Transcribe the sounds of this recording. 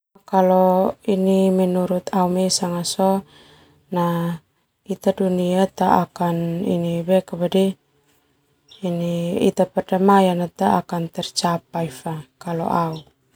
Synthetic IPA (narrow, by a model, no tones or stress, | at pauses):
kalɔinimɛnuɾut̪aumɛsaŋasɔ | na | it̪aduniat̪aakanḭnibɛkaβadi | niḭt̪apɛrdamajanat̪aːkant̪ɛrt͡ʃap̚aifakalɔ̰ʔau